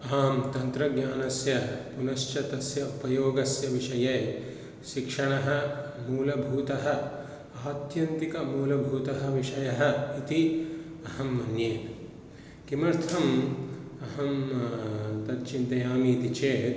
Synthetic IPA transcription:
aːmt̪ɐnt̪ɾɐɡɲʲaːnɐsjɐpunɐʃt͡ʃɐt̪ɐsjɐupɐjoːɡɐsjɐʋiʂɐjeː | ʃikʂɐɳɐɦɐmuːlɐbʱuːt̪ɐɦɐ̆ | aːt̪jɐnt̪ikɐmuːlɐbʱuːt̪ɐɦɐʋiʂɐjɐɦɐ̆it̪i | ɐhɐmːɐnjeːn | kimɐɾt̪ʰɐm | ɐɦɐm | t̪ɐt̪̚t͡ʃint̪ɐjaːmit̪it͡ʃeːt̪

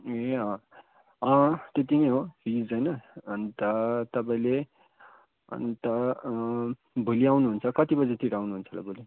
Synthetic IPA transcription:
eʌ̃ | ʌ̃t̪et̪̬ineɦobʱid͡zd͡zʌjnʌːnt̪ʌt̪ʌpaĩle | ʌ̰nt̪ʌ | bʱoliawnuɦunt͡sʰʌkʌt̪ibʌd͡zʌt̪iɾawnuɦunt͡sʰʌla̰bʱoli

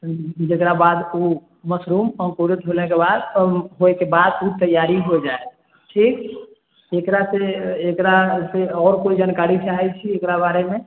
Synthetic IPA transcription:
d͡ʒekɾabad̪u | məsɾumə̃koɾət̪ɦolekebad̪ɦoekebad̪ut̪əjaɾiɦod͡ʒae | ʈʰik | ekɾaseːkɾaseɔɾkoid͡ʒankaɾit͡ʃaɦɛt͡ʃʰiekɾabaɾeme

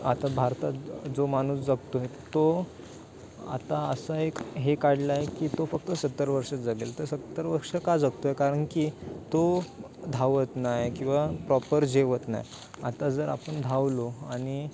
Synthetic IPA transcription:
at̪abʱaɾt̪ad͡zomañuːsd͡zəɡt̪oɦet̪o | a̰t̪aəsaekɦekaɽlajekiːt̪ofək̚t̪əsət̪ːəɾəʋəɾʂəd͡zəɡelt̪əɾsət̪ːəɾəʋəɾʂəkad͡zəɡ̚t̪oɦekaɾəɳkit̪o | d̪ʱaʋət̪najkĩw̃ʋapɾɔpəɾd͡ʑeʋət̪na̰j | a̰t̪ad͡zəɾa̰pəɳd̪ʱaʋloaɽ̃i

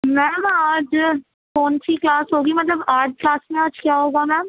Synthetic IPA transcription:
mɛ̃ːmaːd͡ʒ | kɔːnsiklaːsɦoːɡimɐt̪ləbaːɾɖ̚klaːsmẽaːd͡ʒkjaːɦoːɡamɛ̃ːm

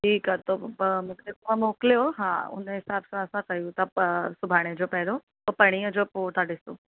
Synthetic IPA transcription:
ʈʰiːkat̪omũkekoʋãmoːkljoɦa̰ːʊ̰nɦɪsaːbsãəsãkɐjũt̪asʊbʱaːɽ̃ed͡ʑopɛɦlo | opɐɽ̃iːəd͡ʑopoːʈ̪aɖɪsoː

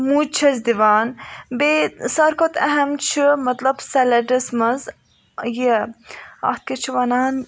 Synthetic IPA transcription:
mut͡ʃʰɐzd̪iʋaːnbesɐɾkʰot̪ɐ̰ɦɐmt͡ʃʰimɐt̪lɐbsɐlɐɖismɐz | ji | ɐ̰xt̪̚kɐt͡ʃʰiʋɐnaːn

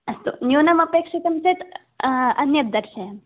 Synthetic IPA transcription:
ɐst̪o̰njoːnɐmɐpjekʂit̪ɐmset̪ | ɐnjɐt̪̚d̪ɐɾʃɐjɐm

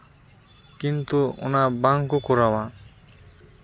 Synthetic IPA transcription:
kint̪uɔ̰nabaŋkukɔɾawa

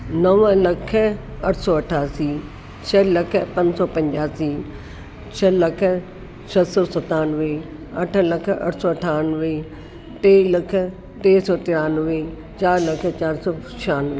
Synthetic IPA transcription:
nɐʋə̃lɐkʰɐʈʰsɔːɐʈʰaːsiː | t͡ɕʰɐlɐkʰəpɐ̃ɲsɔːpɐ̃ɲd͡ʑaːsiː | t͡ɕʰɐlɐkʰə̆ | sɐt̪sɔːsɐt̪aːnʋe | ɐʈʰə̆lɐkʰɐ̰ʈʰsɔːɐʈʰaːnʋe | ʈeːlɐk̆ʰ | ʈeːsɔːt̪ɪɾaːnʋe | t͡ɕaːɾlɐkʰə̆t͡ɕaːɾsɔːt͡ɕʰaːnʋe

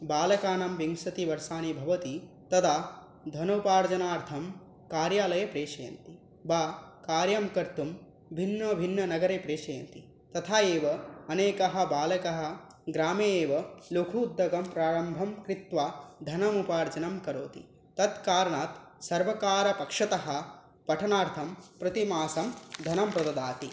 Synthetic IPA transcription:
baːlɐkaːnɐmʋiŋsɐt̪iʋɐɾsaːnibʱɐʋɐt̪i | t̪ɐd̪aː | d̪ʱɐnɐwpaːɾd͡ʒɐnaːɾt̪ʰɐm | kaːɾjaːlɐjɐpɾeːʃɐjɐ̰nt̪i | baːkaːɾjɐmkɐɾt̪um | bʱinːɐbʱinːɐnɐɡɐɾeːpɾeːʃɐjɐ̰nt̪i | t̪ɐt̪ʰaːeːʋɐɐneːkɐɦɐ̆baːlɐkɐɦɐ̆ | ɡɾaːmeːʋɐlokʰuːd̪ːɐɡɐmpɾaːɾɐmbʱɐmkɾit̪ʋad̪ʱɐnɐmupaːɾd͡ʒɐnɐmkɐɾoːt̪ḭ | t̪ɐt̪kaːɾɐɳaːt̪sɐɾʋɐkaːɾɐpɐkʂɐt̪ɐɦɐ̆ | pɐʈʰɐnaːɾt̪ʰɐmpɾɐt̪imaːsɐmd̪ʱɐnɐmpɾɐd̪ɐd̪aːt̪i

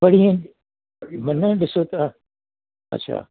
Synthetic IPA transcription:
ɐɽiẽ | mɐnɐ̃ɗɪsot̪a | ɐ̰tːɕʰa̰ː

